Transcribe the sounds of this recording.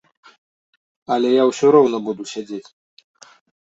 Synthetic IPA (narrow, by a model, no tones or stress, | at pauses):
alɛjauʃɔɾɔwnɔbɔd̪uʃɛd͡zɛt̪ʰ